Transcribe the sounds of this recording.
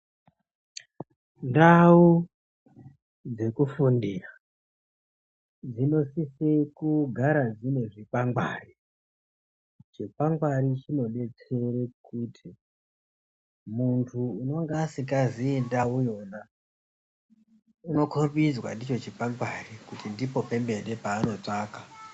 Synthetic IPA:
ndau | d͡ze̞kufundira | d͡zino̞sisekuɡʱaɾad͡zine̞ʐipaŋɡwa̰ːri | t͡ʃe̞paŋɡwaɾit͡ʃino̞ɗe̞t͡se̞rekutʰi | muntʰuːno̞ŋɡasikaziendaujo̞na | uno̞kʰobid͡zwa̰ndit͡ʃo̞t͡ʃepaŋɡwarikutindipo̞pe̞mbe̞ɗe̞paːno̞t͡ʂaːka

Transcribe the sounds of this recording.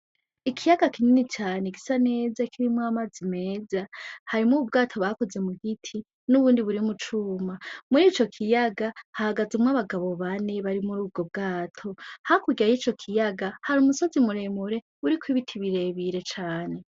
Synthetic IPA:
ikʰijaɡakininit͡ʃaːne̞ɡisane̞ːzakʰiɾimwaːmazine̞ːzahaɾimuub̚ɡaːtʰo̞βako̞ze̞muhitʰi | nuβuːndiβuɾimut͡ʃuːmamuɾiːt͡ʃo̞kʰijaɡahahaɡazumŋaβaɡaβo̞βane̞βaɾimuɾuːb̚ɡo̞b̚ɡaːtʰo̞hakuɡiajiːt͡ʃo̞kʰijaɡahaɾumuso̞zimuɾe̞muɾe̞ | uɾikwiβitʰiβiɾe̞βiɾe̞t͡ʃaːne̞

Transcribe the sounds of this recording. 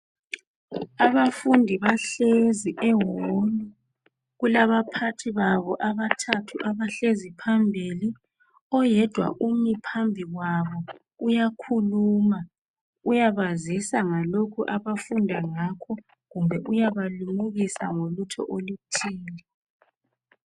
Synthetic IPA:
aβafundʱiβaɬeziʔɛwolu | ɣulaβapʰatʰiβaβɔʔaβatʰatʰuʔaβaɬezipʰambʱili | ɔjɛd̥ʱwa̰ʔumipʰambʱiɣwaβɔ | ujakʰuluːma | ujaβazisaŋalokʰuʔaβafundʱaŋakʰɔ | ɣumbʱɛʔujaβalumuɣisa̰ŋolutʰɔ̰ʔolutʰiːni

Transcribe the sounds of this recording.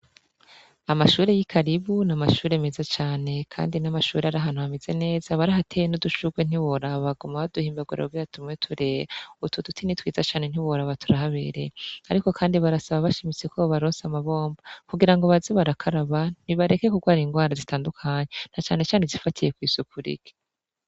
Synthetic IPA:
amaʃuːɾe̞jikʰaɾiβunamaʃuːɾe̞me̞zat͡ʃaːne̞kʰa̰ːndinamaʃuːɾeaɾaɦan̥uhameze̞ne̞ːzaβaɾaɦatʰe̞jenoduʃuɡwen̥iβoɾaβaɡomaβaduhiːmbaɡwuɾa̰ɡijatʰumŋetʰuɾe̞ːjutʰudutʰinitwiːzat͡ʃaːne̞n̥iwoɾaβatʰuɾaɦaβeɾeaɾiko̞kʰaːndiβaɾasaβaβaʃimit͡sekʰoβaɾoːnsamaβo̞ːmbakuɡiɾaŋɡoβaziβaɾakʰaɾaβan̥iβaɾe̞ke̞kuɡwaːɾiŋɡwaːɾazitaːndukʰaɲen̥at͡ʃaːne̞t͡ʃaːnezifatʰije̞kwiːsukuɾḭɡe̥

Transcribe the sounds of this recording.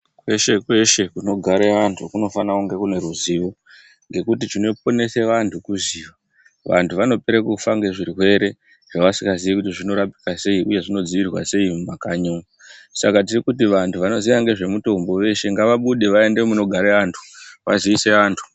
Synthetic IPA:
kwe̞ʃe̞kwe̞ʃe̞kuno̞ɡʱaɾeʋantʰukuno̞fanakuŋɡe̞kune̞ɾuziʋo | ŋɡe̞kutit͡ʃino̞p̚o̞ne̞se̞ʋantʰukuziʋa | ʋa̰ntʰuʋano̞pe̞ɾekufaŋɡe̞ʐiɾiwe̞ɾe̞ | ʐ̥aʋasiŋɡaziʋekutiʐino̞ɾapi̥kase̞iʔuje̞ʐino̞d͡ziʋirwa̰se̞imumakaɲunusakat̬irikut̬iʋantʰuʋano̞ziʋaŋɡe̞ʐe̞muto̞mbo̞ʋe̞ʃe̞ŋɡaʋaɓuɗe̞ʋae̞nde̞muno̞ɡʱaɾeantʰu̥ʋa̰ziise̞ʋaːntʰu̥

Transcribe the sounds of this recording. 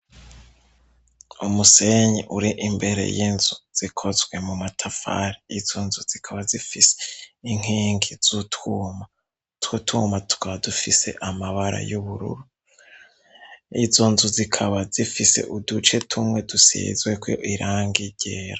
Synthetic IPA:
umuseɲeʔuɾiʔimbe̞ɾe̞̰jinzuz̥ikʰozɡwe̞mumatʰafa̰ːɾiizo̞nzuz̥ikʰaβazifise̥iŋ̥hiːŋɡiz̥utwuːma | twutumatu̥kʰaβadufise̞̰ʔamaβaɾa̰juβuɾṵɾu | izo̞nzuzikʰaβazifise̞̰ʔudut͡ʃe̞tʰumŋe̞dusḭzwekwʔiɾʔaːŋɡiɟeɾa

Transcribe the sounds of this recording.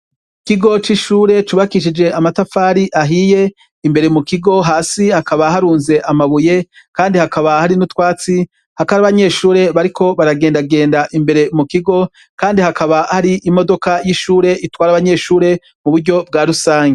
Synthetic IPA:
ikiɡo̞t͡ʃiʃuːɾe̞t͡ʃuβakiʃ̬id͡ʒe̞ʔamatafaːɾiʔaɦije̞ | imbe̞ɾe̞mukiɡo̞ɦaːsihakaβahaɾuːnze̞ʔamaβuje̞ | kaːndihakaβahaɾinutwaːt͡si | hakaɾaβaɲe̞ːʃuːɾe̞βaɾikʰo̞βaɾaɡe̞ːndaɡe̞ːndaʔimbe̞ɾe̞mukiɡo̞ | kaːndihakaβahaɾiʔimo̞do̞kajiʃuːɾe̞ʔitwaːɾaβaɲe̞ːʃuːɾe̞ | muβuɾɟo̞b̚ɡaːɾusaːɲɡe

